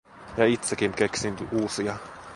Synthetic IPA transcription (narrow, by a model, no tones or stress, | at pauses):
jɑit̪sekiŋkeksint̪yʔuːsiɑ